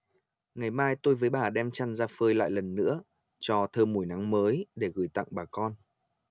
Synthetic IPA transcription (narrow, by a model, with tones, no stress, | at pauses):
ŋa˨˩jmaː˧jt̪o˧jvəː˨˦jɓaː˨˩ɗɛ˧mt͡ɕa˧nzaː˧fəː˧jla̰ː˧˨jlə˨˩nːɨ̰˧˥ə | t͡ɕɔ˧t̪ʰəː˧mu˧˩jna˨˦ŋməː˨˦jɗe˧˩ɣɨ˨˧˩jt̪a̰˧˨ŋɓaː˨˩kɔ˧n